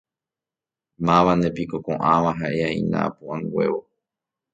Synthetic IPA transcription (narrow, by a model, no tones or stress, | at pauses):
mãʋand̪e̞pikokõ̞̰ʔãʋaɦaʔe̞aĩnã̰puʔãŋɡwe̞̰ʋo